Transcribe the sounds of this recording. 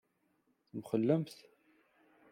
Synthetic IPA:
θmχəlːəmθ

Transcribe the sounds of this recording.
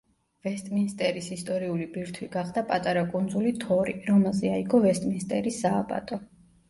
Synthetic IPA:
vɛst̪ʼminst̪ʼɛɾisist̪ʼɔɾiulibiɾt̪ʰwiɡaχd̪apʼat̪ʼaɾakʼund̪zulit̪ʰɔɾiɾɔmɛlˠzɛaiɡɔvɛst̪ʼminst̪ʼɛɾisːaːbʼa̰t̪ʼɔ

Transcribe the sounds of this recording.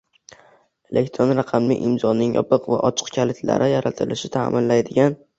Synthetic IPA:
e̞lʔekʲt̪ʰɾonɾɑqʰɑmlɪʔɪmzɒnɪŋjɒ̰pɨqva̰ʔɒt͡ʃʰɨ̥qkʲʰalɪt̪ʰla̰ɾʔɪjaɾat̪ʰɪlɪʃɪt̪ʰa̰ːmʔɪnlajd̪ɪɡʲan

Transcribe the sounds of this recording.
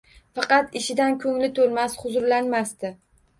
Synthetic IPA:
fɑqɑt̪ɪʃɪd̪ankʲʰɵŋlɪt̪ʰolmasχʊzʊɾlanmast̪ɪ

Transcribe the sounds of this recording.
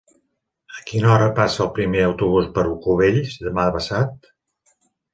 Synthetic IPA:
əkinɔɾəpasəːlˠpɾimeəwt̪uβ̞uzbəɾukuβeʎsðəmaβəsat̪

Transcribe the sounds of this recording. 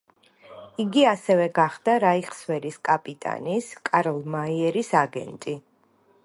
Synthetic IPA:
iɡiasɛvɛɡaχd̪aɾaiχswɛɾiskʼapʼit̪ʼa̰niskʼaɾlˠmaiɛɾisaɡɛ̰nt̪ʼi

